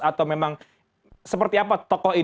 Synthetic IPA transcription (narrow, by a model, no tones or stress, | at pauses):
at̪awmemaŋ | səpərt̪iapat̪ɔkɔhi